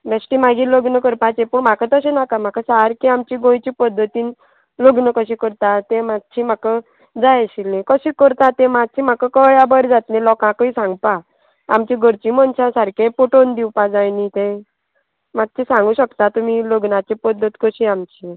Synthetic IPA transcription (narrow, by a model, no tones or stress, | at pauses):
mesʈimaɡiləɡnəkəɾpat͡ɕẽpuɳmakat̪əsenakam̤akasaɾkiamt͡ɕiɡõjt͡ɕipəd̪ʱːət̪iːn | ləɡnəkəɕikəɾt̪at̪ẽmad̪̚t͡ɕʰimakə | d͡zajɕilẽkəɕikəɾt̪at̪ẽmad̪̚t͡ɕʰim̤akəkəɭjabəɾd͡zat̪nẽlɔkãkəisãŋɡpa | amt͡ɕiɡʱəɾt͡ɕimənt͡ɕãsaɾkẽpoʈond̪iwpad͡zajnit̪ẽ | mat̪̚t͡ɕisãŋɡuːɕəkt̪at̪umiloɡnat͡ɕepəd̪ʱːət̪kəɕiamt͡ɕi